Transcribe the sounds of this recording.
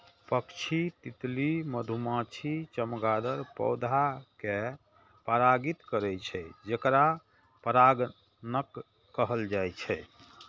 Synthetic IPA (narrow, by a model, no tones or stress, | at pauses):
pəkt͡ʃʰit̪it̪liməd̪ʱumãt͡ʃʰit͡ʃəmɡad̪əɾpə̰ʊd̪ʱake | pəɾaɡit̪kəɾɛt͡ʃʰɛd͡ʒekɾa | pəɾaɡ | nəkː | əɦəld͡ʒajt͡ʃʰɛ